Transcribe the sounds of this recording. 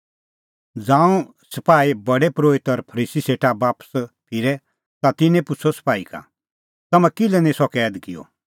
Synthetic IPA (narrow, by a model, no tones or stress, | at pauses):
d͡zãːũ | sɐpaːibɐɽɛpɾoːɪt̪ɔɾpʰɐɾiːsiseːʈabaːpə̥spʰɪɾɛ | t̪at̪ɪnẽpʊt͡sʰosɐ̥paːika̰ | t̪ɐmɛ̃kɪlɛnĩsɔkɛːd̪kɪjɔ̰